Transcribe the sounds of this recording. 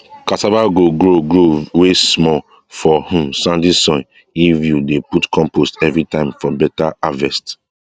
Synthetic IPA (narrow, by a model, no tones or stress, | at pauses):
katabaɡoɡɾoɡɹowesmɔ | fɔhũmsãndisɔ̃n | ivjudeputkʰɔ̃mpostɛvɾitãɪ̃mfɔbɛtaavɛst